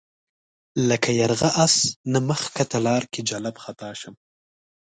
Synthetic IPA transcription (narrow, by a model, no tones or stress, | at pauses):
ləkajaɾɣaʔasnaməxkat̪alɑːɾked͡ʒalabxat̪ɑːʃəm